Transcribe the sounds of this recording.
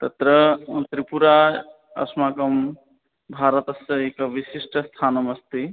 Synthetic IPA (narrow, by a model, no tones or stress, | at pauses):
t̪ɐt̪ɾɐmɐnt̪ɾipuɾa | ɐ̰smaːkɐm | bʱaːɾɐt̪ɐsɐekɐʋisisʈʰɐst̪ʰaːnɐmɐst̪i